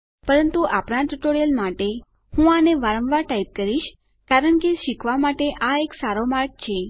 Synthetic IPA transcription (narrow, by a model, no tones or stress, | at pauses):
pəɾənt̪uʔapɾãʈ̪ɾʈoɾijəlmaʈe | hũaneʋaɾə̃mʋaɾʈaip̚kəɾiʃ | kaɾəɳkeʃikʰʋamaʈeʔaeksaɾomaɾk̚t͡ʃʰe